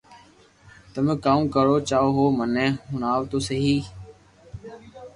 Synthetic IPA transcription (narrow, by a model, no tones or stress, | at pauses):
t̪əmẽkaːũːkəɾoːt͡ʃaːoːɦoːmənẽːɦʊnaːʋt̪oːsəɦiː